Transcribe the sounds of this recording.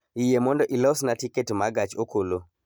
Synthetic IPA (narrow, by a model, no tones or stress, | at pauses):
ijemɔndɔʔilɔsnatiketmaɡat͡ʃokolo